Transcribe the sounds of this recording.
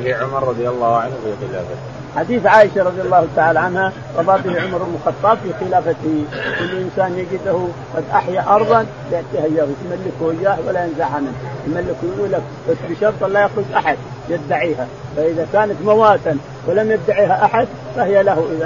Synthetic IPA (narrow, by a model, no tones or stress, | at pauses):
iʕʊmɑɾˤːɑd̪ˤjɑlˤːɑːhʕanhfiɣɪla̰ːba | ħad̪iːθʕaːʔɪʃaɾˤɑd̪ˤjɑlːɑːhʊt̪aʕaːlaʕanha | ɣɑbˤɑːbihʕʊmɑɾˤɪlmʊxɑt̪ˤːɑːbfixɪlaːfat̪hikʊlːʔɪnsaːnjɪɡɪd̪ahu | qad̪ʔaħjaʔɑɾˤðˤɑn | bjɪʕt̪ˤiːhajːɑðˤt̪malːɪkuhɪjːaːhwalːajɪnzaʕhamɪnjmalːɪkujʔuːlːak | b̥asːbɪʃɑɾˤt̪ˤalːajaxɾʊd͡ʒʔaħad̪̚ | jɪd̪ːaʕiːhafaʔɪðakaːnat̪mawaːt̪ʼɪn | wɪlamjɪd̪ːaʕiːɦaʔaħad̪ | fahɪjalahuʔɪða